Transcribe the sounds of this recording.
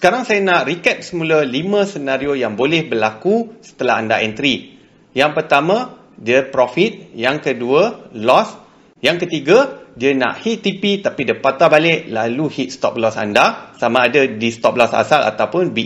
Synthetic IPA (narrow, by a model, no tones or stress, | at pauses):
sə̥kaɾaŋsajanaʔrikɛp̚səmũləlimãsənaɾiojaŋbolɛhbərlakusə̥t̪əla̰ɦandaʔɛnt̪ɾi | jaŋpərt̪amã | diəpɾɔfit̪̚jaŋkəduəlɔs | jaŋkət̪iɡadiana̰ʔhit̪ːipit̪apidəpat̪abalɪʔlaluhit̪̚st̪ɔp̚lɔsa̰ndasamãːdadist̪ɔp̚lɔsa̰salʔa̰t̪awpʊnbi